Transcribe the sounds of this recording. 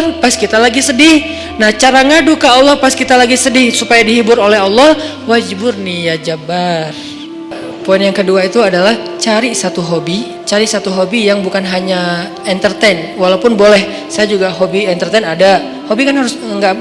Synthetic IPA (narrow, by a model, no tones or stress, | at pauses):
rpaskit̪alaɡisədɪh | naht͡ʃaɾaŋadukaːlːɔhpaskit̪alaɡisədɪhsupajadiɦibʊɾolɛɦɑlːɔh | wad͡ʒibʊrnijad͡ʒabar | poɪnjaŋkəduait̪uadalah | t͡ʃaɾisat̪uɦobi | t͡ʃaɾisat̪uɦobijaŋbukanɦaɲa | ɛnt̪ərt̪enwalawpʊnbolɛh | sajad͡ʒuɡaɦobiɛnt̪ərt̪ɛnada | hobikanɦaɾʊsŋɡa